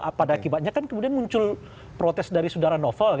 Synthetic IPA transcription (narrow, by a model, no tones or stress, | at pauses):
padaːkibat̪̚ɲakankəmudianmuɲt͡ʃʊl | pɾot̪ɛsdaɾisudaɾanofəlk